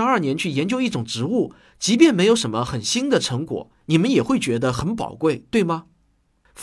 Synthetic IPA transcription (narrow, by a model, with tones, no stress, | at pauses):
ɐ˞˥˩njɛ˧˥nt͡ɕʰy˥˩jɛ˧˥nt͡ɕjo˥ʊi˥˩ʈ͡ʂʊ˨˩ŋʈ͡ʂɻ̩˧˥u˥˩ | t͡ɕi˧˥p̬jɛ˥˩nme˧˥ɪjo˧˥ʊʂə˧˥nmə˧xə˨˩nɕi˥nd̪ə˨ʈ͡ʂʰɤ˧˥ŋkwɔ̰˨˩˦ | ni˨˩mə˦njɛ˨˩xwe˥˩ɪt͡ɕɥɛ˧˥d̪ə˧xə˧˥npɑ̰˨˩ʊkwe˥˩ɪt̪we˥˩ɪmə˩ | f